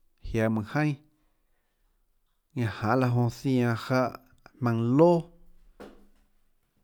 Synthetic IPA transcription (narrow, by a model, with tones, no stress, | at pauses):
hja˧˨mɨ̃˨hə̃˦j̃ | ɲã˧˨hã˨ʔla˧ɦõ˧θij̃ã˧ha˦ʔ | mã˧ŋloː˦